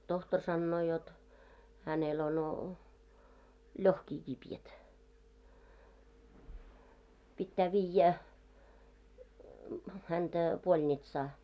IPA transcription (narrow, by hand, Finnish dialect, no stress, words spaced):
tohtor sɑnːoː jot hænel ono lʲohkiː kipjæt pitːæː ʋiːjːæ hæntæ b̥olʲnitsɑː